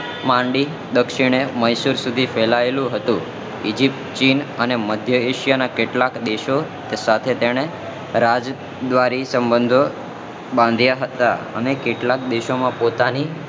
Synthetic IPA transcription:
mãɳɖi | d̪əkʃiɽ̃eməjsuɾsud̪ʱifɛlaelũɦət̪ũ | ḭd͡ʒip̚ʈ̪t͡ʃinəneməd̪ʱjəeʃijanakeʈlakd̪eʃot̪esat̪ʰet̪eɽ̃e | ɾad͡ʒ | d̪ʋaɾisəmbənd̪ʱo | bãnd̪ʱjaɦət̪aə̰nekeʈlak̚d̪eʃomãpot̪ani

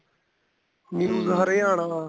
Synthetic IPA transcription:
minũːɡʱaːɾeːaːɳaː

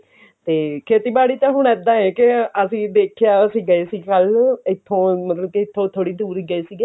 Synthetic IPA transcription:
t̪eːkʰeːt̪iːbaːɽiːt̪ãːɦʊɳ̃ɛːd̪ãːɛ̃ːkɪəsĩːd̪eːkʰejaːəsĩːɡəeːsiːkəlɪt̪ʰːõːmət̪ləbkiɪt̪ʰːõːt̪ʰoːɽiːd̪uːɾiːɡəeːsiːɡeː

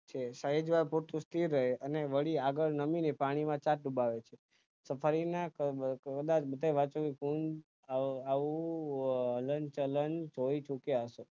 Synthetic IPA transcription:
t͡ʃʰesəɦed͡ʒʋaɾpoɾt̪ʰũst̪iɾːəɦeəneʋəɭiaɡəɭnəminepaɽ̃imãt͡ʃaʈ̚ɖubaʋet͡ʃʰe | səpʰaɾinakəkəd̪at͡ʃbəd̪ʱajʋat͡ʃokekũn | aaʋũ | ɦələnt͡ʃələnt͡ʃoit͡ʃukease

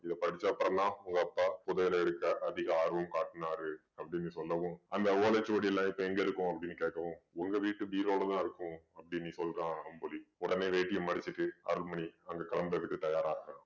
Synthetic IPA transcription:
ɪðɐpɐɽɪt͡ʃːaːpːɐɾɐnːãːʊŋɡɐɐpːaːpʊðɐɣɪlɐɛɽɯkːɐʔɐðɪɣɐaːɾʋɐmkaːʈːɯnaːɾɯ | ɐpːɐɽɪnːɯsɔlːɐʋʊ̃ɐnd̪ɐʋoːlet͡ʃːɐːɽɪɛlːãːɪpːõɛŋɡɐɪɾɯkːʊ̃ɐpːɐɽɪnːɯkeːʈkːɐʋõʊŋɡɐʋiːʈːɯʋiːɾloːɽɐt̪ãːɪɾɯkːʊ̃ɐpːɐɽinnĩːsɔlkːãːɐmpoliɔɽɐneːʋeːʈːɪjɐmɐɽɪt͡ʃːɪʈːɯɐ̰ɾɯlmɐɳiɐŋɡɐkɐɭɐmbɐʋɪk̪ːɯt̪ɐjaːɾaːɾɣɐ

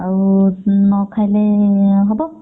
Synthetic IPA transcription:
aɹunɔkʰajlɛɦɔbɔ

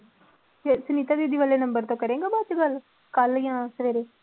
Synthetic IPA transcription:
t̪eːsəniːt̪aːd̪eːd̪iːʋaːleːnəmbəɾt̪õːkəɾẽːɡaːbaːt͡ʃːɡəl | kəljãːsəʋeːɾeː

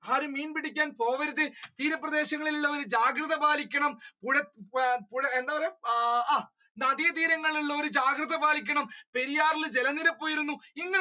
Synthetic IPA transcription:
aːɾɨmiːnpiɽikʲːaːnpo̞ːʋɐɾuðɨt̪iːɾɐpːrɐd̪e̞ːɕɐŋːɐɭiluɭːɐʋoɾɨd͡ʑaːɡrɐðɐbaːlikʲːɐɳɐmpuɻɐpuɻɐend̪aːʋɐɾeː | nɐd̪ijɐt̪iːɾɐŋːɐɭuɭːɐoɾɨd͡ʑaːɡrɨðɐbaːlikʲːɐɳɐmpe̞ɾijaːrild͡ʑelɐnːiɾɐpːoːjiɾunːuiŋːɐ

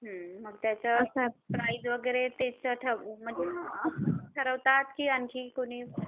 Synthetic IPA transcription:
ɦəməɡt̪jat͡ɕasəpɾajd̪ʋəɡəɾet̪et͡səʈ̪ʰəm̤ənd͡ze | ʈ̪ʰəɾəʋt̪at̪kiːankʰiːkoɽ̃iː

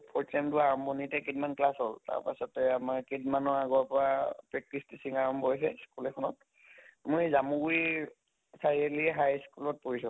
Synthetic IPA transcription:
pʰɔɹtamduaɹɔmbʱɔnitɛketmanklasɦɔlta̰ɹpa̰sɔtɛamaɹkitmanɔaɡɔɹpɔɹapɹɛkɹistisiŋaɹɔmbbʱɔjsɛskulɛkʰɔnɔt̚ | mojzamũɡuj | saɹiɛliɦajskulɔt̚poɦisɔ̃

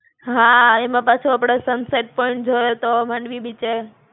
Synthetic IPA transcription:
ɦãemãpat͡ʃʰuapɽ̃esənseʈ̚pɔĩɳʈ̚d͡ʒʱoet̪omãɳɖʋibit͡ʃe

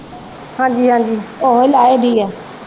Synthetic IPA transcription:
hãːd͡ʒiːɦãːd͡ʒiːoɦəlaːeːd̪ʱiːjaː

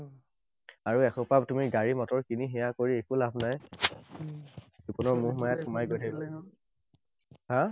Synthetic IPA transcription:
aɹuɛxʰɔpabtumiɹɡaɹimɔtɔɹkiniɦɛjakoɹiekulabʱnaj | zukɔnɔɹmuɦmajatxʊmajɡojtʰakɔ | hã

